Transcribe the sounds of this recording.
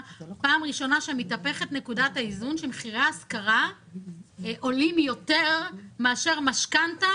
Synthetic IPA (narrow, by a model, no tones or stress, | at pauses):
paːmʁiʃo̞naʃemitape̞χetne̞kudataizunʃemeχiʁeaskaʁa | ʔo̞limjo̞teʁmeaʃe̞ʁmaʃkanta